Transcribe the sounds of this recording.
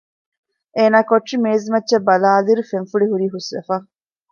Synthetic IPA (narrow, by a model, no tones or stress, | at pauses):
eːnaːkoʈʂimeːzmɐtːʃɐbɐlaːliɾufenfuɽiɦuɾiːɦusʋḛfɐ